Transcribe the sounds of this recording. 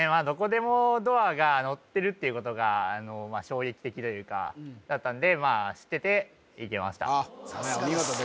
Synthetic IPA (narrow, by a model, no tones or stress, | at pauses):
emaːd̪o̞ko̞d̪e̞mo̞d̪o̞aɡano̞t̪ːe̞ɾɯ̟t̪ːe̞iɯ̟ko̞t̪o̞ɡaano̞maːɕo̞ːɡe̞kʲi̥t̪e̞kʲit̪o̞jɯ̟ːka̰d̪̥at̪ːãnd̪e̞maːɕi̥t̪ːe̞t̪e̞ | ike̞ma̰ɕi̥t̪a̰aiɡat̪od̪